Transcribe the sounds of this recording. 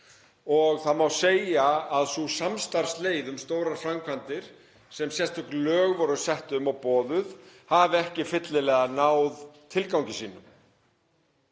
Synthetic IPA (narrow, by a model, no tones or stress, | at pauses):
ɔɣθaðmawseːjaaðsusamst̪aɾ̥sleːjðʏmst̪oːwɾaɾfɾamkʰvant̪ɪɾ̥ | sɛmsjɛst̪ʏklœːɣvɔɾʏ̥sɛht̪ʏmawpɔːðʏðhavɛhcɪfɪt̪lɪlɛːɣanaːwðt̪ʰɪlkawɲcɪsiːnʏm